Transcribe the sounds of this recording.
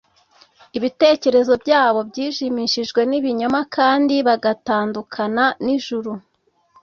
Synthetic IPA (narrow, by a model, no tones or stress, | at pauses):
iβite̞ːce̞ɾe̞zo̞bɟaːβo̞bɟiːʃimiʃiʒɡwe̞niβiɲo̞makʰaːndiβaɡataːndukʰananiʒuɾu